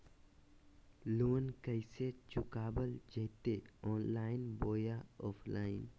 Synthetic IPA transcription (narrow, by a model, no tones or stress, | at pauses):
loːnkəɪset͡ʃʊkaːbəld͡ʒəjt̪eɔːnlaːɪnboːjaɔːpʰlaːɪn